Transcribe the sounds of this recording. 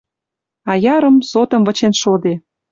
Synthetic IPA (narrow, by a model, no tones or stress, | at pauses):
ɑjɑɾə̆msot̪ə̆mvə̆t͡ɕenʃod̪e